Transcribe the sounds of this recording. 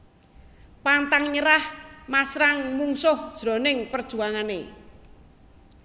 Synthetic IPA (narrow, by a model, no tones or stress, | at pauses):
pant̪aŋɲəɾahmasɾaŋmuŋsʊhd̥ʒ̥ɾɔ̤nɪŋpərd̥ʒ̥ṳaŋanḛ